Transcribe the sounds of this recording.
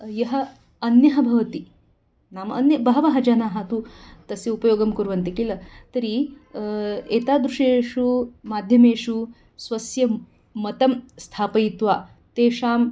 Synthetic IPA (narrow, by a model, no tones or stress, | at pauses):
jɐɦɐ | ɐnjɐɦɐbʱɐʋɐt̪i | naːmɐɐnjɐbʱaːʋɐɦɐd͡ʒaːnaːɦɐt̪ut̪ɐsiupɐjoːɡɐmkuɾʋɐnt̪ikilɐt̪ɐɾi | eːt̪aːd̪ɾuʂeːʂumaːd̪ʱjɐmeːʂu | sʋɐsjɐ | mɐt̪ɐmst̪ʰaːpɐjit̪ʋaː | t̪eːʂaːm